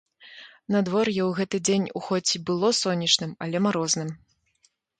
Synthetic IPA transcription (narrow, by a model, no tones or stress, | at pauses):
nɐd̪vɔrjɛwɣɛt̪ɨd͡zʲenʲuxɔt͡sʲibɨlˠɔsɔnʲːɐt͡ʂnɨmɐlʲɛmaɾɔznɨm